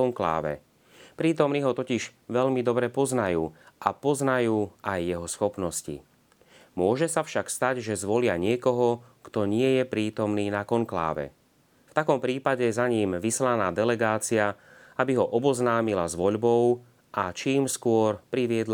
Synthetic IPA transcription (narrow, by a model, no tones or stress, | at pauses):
ɔŋkla̰ːʋɛ̰ | pɾiːt̪ɔmniːɦɔt̪ɔciʒʋɛʎmid̪ɔbɾɛpɔznajuːʔapɔznajuːajːɛɦɔsxɔpnɔscḭ | mʊɔʒɛsafʃakst̪aɟʒɛzʋɔlɪaɲɪɛkɔɦɔkt̪ɔɲɪɛjɛpɾiːt̪ɔmniːnakɔŋkla̰ːʋɛ̰ | ft̪akɔmpɾiːpaɟɛzaɲiːmʋislanaːd̪ɛlɛɡaːt͡siaabiɦɔʔɔbɔznaːmilazʋɔʎbɔʊ | ʔat͡ʃiːmskʊɔɾpɾiʋɪɛd̪l